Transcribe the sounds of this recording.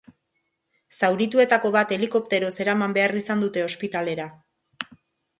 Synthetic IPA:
sawɾit̪ue̞t̪ako̞βat̪e̞liko̞p̚t̪e̞ɾo̞se̞ɾamambe̞arisand̪ut̪e̞o̞spit̪ale̞ɾa

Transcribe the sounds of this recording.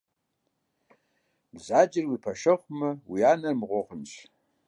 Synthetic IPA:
bzad͡ʒɪrwipʰaʂɨχʷmɨwianɨrmʁʷoχənt͡ʃʷʰ

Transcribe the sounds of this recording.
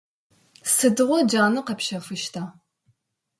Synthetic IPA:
sɨdɨʁʷɔd͡ʒaːnɨqɐpʃɐfɨʃtʰaː

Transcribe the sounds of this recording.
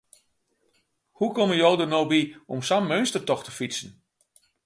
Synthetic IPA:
hukɔməjoːdənowbiɔmsamːøɥnstərtɔxtəfisən̩

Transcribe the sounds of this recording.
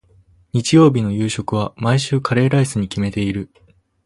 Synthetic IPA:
ɲ̟it͡ɕijo̞ːbʲino̞jɯ̟ːɕo̞kɯ̟β̞amaiɕɨːkʰaɾe̞ːɾaisɨɲ̟ikʲime̞t̪e̞iɾɯ̟

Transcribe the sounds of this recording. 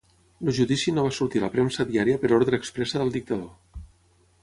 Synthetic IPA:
luʒuðisinoβasuɾt̪ilə̰pɾɛmsəðiaɾiəpəɾoɾðɾəːkspɾɛsəðəlˠd̪ik̚t̪əðo

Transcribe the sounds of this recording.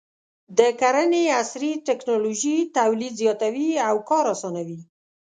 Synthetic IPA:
d̪əkaɾəneasɾiʈɛknoloʒit̪awlid̪zjɑt̪awiawkɑɾasɑnawi

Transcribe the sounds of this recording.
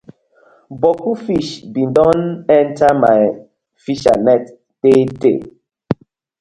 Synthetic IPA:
bɔkufiʃbĩndɔ̃nɛ̃ntama̰j | fiʃa̰nɛt | tetḛ

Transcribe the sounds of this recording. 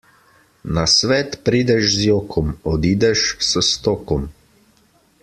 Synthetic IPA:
nasʋɛːt̪pɾiːd̪ɛʃzjoːkʰɔmɔd̪iːd̪ɛʃsəst̪ɔːkɔm

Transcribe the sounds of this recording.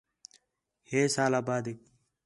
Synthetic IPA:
heːsaːlaːbaːd̪ik̚

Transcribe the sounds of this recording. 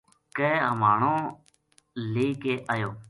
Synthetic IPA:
keːɦə̰maːɳõː | leːkeːʔaːjoː

